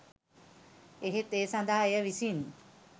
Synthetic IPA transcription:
eɦet̪eːsand̪aɦaejəʋisin

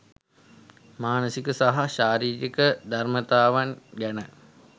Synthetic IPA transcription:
maːnəsikəsaɦaʃaːɾiːɾikəd̪armət̪aːʋanɡænə

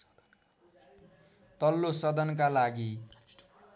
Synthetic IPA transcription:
t̪ʌlːosʌd̪ʌnkalaɡi

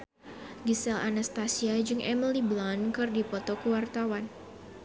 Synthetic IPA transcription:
ɡisɛlanast̪asiad͡ʒɨŋʔɛmiliblankɨrdipɔt̪ɔkəwart̪awan

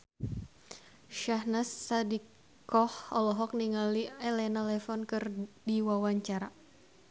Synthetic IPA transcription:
ʃahnasːadikː | ɔhɔlɔɦɔk̚niŋaliɛlɛnalɛfɔnkɨrdiwawaɲt͡ʃaɾa

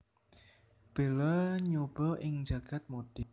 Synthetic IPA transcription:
b̥e̤lɔɲob̥ɔʔɪŋd͡ʒäɡ̥at̪̚mod̥ɪ

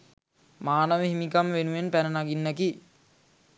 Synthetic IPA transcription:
maːnəʋəɦimikamʋenuʋenpænənaɡinːæki

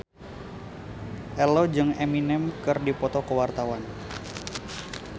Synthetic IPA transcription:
ʔɛlɔd͡ʒɨŋɛminɛmkərdipɔt̪ɔkəwart̪awan

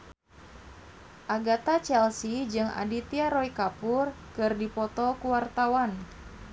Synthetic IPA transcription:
ʔaɡat̪at͡ʃɛlsid͡ʒɨŋa̰dit̪iaɾɔikapʊr | kɨrdipɔt̪ɔkuwart̪awan

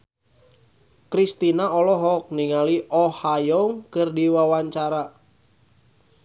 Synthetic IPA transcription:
kɾist̪inaɔlɔɦɔk̚niŋaliʔɔhajɔŋkɨrdiwawaɲt͡ʃaɾa

